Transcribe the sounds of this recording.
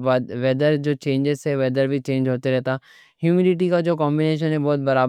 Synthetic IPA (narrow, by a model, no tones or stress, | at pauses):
ʋɛd̪əɾd͡ʒoːt͡ʃẽːɲd͡ʒɪzseʋɛːd̪əɾbʱit͡ʃẽːɲd͡ʒɦoːt̪eɾɛɦt̪aː | ɦjuːmɪlɪʈikad͡ʒoːkɔ̃ːmbɪneːʃ̬ənɦɛbɔːt̪̚bɐɾaːb